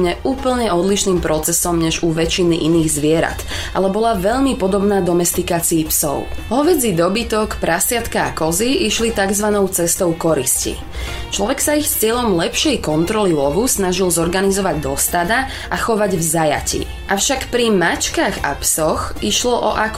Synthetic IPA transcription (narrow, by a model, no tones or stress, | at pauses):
ɲɛʔuːpl̩ɲɛɔd̪liʃniːmpɾɔt͡sɛsɔmɲɛʒuʋɛt͡ʃiniʔiniːɣzʋɪɛɾa̰t̪ʔa̰lɛbɔlaʋɛʎmipɔd̪ɔbnaːd̪ɔmɛst̪ikaːt͡siːpsɔ̰ʊɦɔʋɛd͡zid̪ɔbit̪ɔkpɾasɪat̪kaːkɔziiʃlit̪aɡzʋanɔʊt͡sɛst̪ɔʊkɔɾiscḭ | t͡ʃlɔʋɛksaixst͡sɪɛʎɔmlɛpʃɪɛjkɔnt̪ɾɔlilɔʋusnaʒilzɔɾɡanizɔʋaɟd̪ɔst̪ad̪a | ʔaxɔʋaɟvzaja̰cḭː | ʔafʃakpɾimat͡ʃkaɣa̰psɔxiʃlɔʔɔ̰ʔak